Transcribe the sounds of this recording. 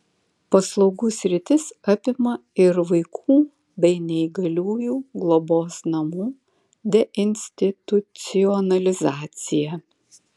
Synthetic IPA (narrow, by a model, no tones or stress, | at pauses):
pɐslˠɒʊɡuːsʲɾʲɪt̪ʲɪsɑpʲɪmɐɪɾʋɐɪkʰuː | bʲɛɪnʲɛɪɡɐlʲuːjuːɡlˠɔboːsnɐmuː | d̪ʲɛʔɪnʲsʲt̪ʲɪt̪ʊt̪sʲɪjɔnɐlʲɪzɑːt̪sʲɪjɛ